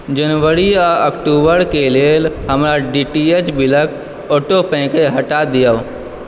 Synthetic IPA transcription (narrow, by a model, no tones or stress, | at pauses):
d͡ʒənwəɾiaəkʈuːbəɾkelelɦəmɾaɖiʈiet͡ʃbɪlək | oːʈopɛ̃keɦəʈad̪ijao